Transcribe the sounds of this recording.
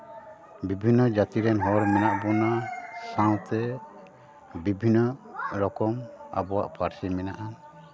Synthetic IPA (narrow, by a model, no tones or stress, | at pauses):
bibʱinːɔd͡ʒat̪iɾɛnɦɔɾmɛnaʔbɔnasãw̃t̪ɛ | bibʱinːɔɾɔkɔma̰bɔwa̰ʔpʰaɾsimɛna̰ʔan